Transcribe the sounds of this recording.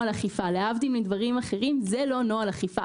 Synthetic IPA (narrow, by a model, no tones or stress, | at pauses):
alaχifaleavdimlid̪vaʁimaχe̞ʁimzelo̞noalaχifa